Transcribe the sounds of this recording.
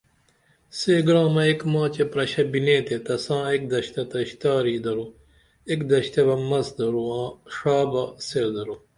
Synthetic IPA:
seːɡɽãːmɐekmãːt͡ɕepɾɐɕɐbinẽːt̪et̪ɐsãːek̚d̪ɐɕt̪ɐt̪ɐɕt̪aːɾiːd̪ɐɾu | ekd̪ɐɕt̪ɐbɐmɐsd̪ɐɾuãːʂaːbɐseɾd̪ɐɾo

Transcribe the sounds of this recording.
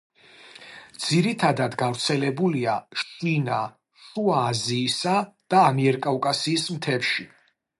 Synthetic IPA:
d̪z̥iɾit̪ʰad̪ad̪ɡavɾt̪sʰɛlɛbuliaʃina | ʃuaːziːsad̪̥aːmiɛɾkʼaukʼasiːsmt̪ʰɛpʃi

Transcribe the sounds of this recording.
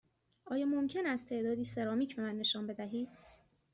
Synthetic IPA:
ʔɒːjɒːmomcʰe̞næst̪t̪ʰe̞ːʔd̪ɒːd̪iːse̞ɾɒːmiːcʰbe̞mænːe̞ʃɒːnbe̞d̪æɦiːd̪̥

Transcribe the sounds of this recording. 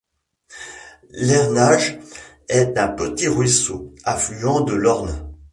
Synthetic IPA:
lɛʁnaʒ | ɛt̪ɛ̃pət̪iʁɥisoaflyɑ̃d̪əlɔʁn

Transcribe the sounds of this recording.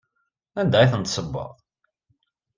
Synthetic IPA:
ænd̪æjθənt̪sˤəbːə̰ʁˤ

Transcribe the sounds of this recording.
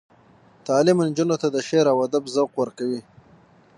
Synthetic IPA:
t̪ɑːlɪmɪnd͡ʒunot̪ad̪əʃeɾawad̪abzawqwaɾkawi

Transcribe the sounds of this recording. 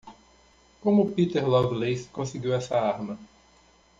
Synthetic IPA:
kõmʊpit̪eɾlɔvlejskõsɪɡiwɛsɐaɾmɐ

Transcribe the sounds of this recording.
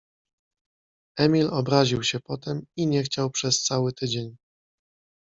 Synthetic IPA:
ɛmʲilɔbɾaʑiwɕɛpɔt̪ɛmiɲɛxt͡ɕawpʂɛst̪sawɘt̪ɘd͡ʑeɲ

